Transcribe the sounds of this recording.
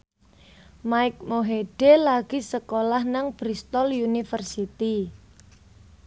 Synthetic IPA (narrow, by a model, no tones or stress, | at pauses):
maɪk̚moɦeɖ̥elaɡ̥i̤səkolahnaŋb̥ɾist̪ɔlunifərsit̪i